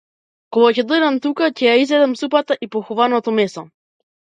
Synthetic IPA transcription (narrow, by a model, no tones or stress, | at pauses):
kɔɡacɛd̪əd̪amt̪ukacɛjaizvɛd̪ɛmsupat̪aʔipɔxɔvanɔt̪ɔmɛsɔ